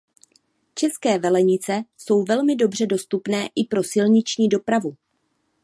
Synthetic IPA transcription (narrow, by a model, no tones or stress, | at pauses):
t͡ʃɛskɛːvɛlɛɲɪt͡sɛso̞wvɛlmɪdo̞br̝ɛdo̞st̪upnɛːʔɪpɾo̞sɪlɲɪt͡ʃɲiːdo̞pɾavu